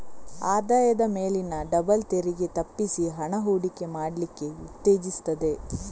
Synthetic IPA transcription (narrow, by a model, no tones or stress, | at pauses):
aːd̪aːjɐd̪ɐmeːlinːɐɖɐbɐlt̪eɾiɡe̞t̪ɐpːisiɦɐɳɐɦuːɽikːe̞maːɽlikːe̞ut̪ːe̞ːd͡ʒist̪ɐd̪e̞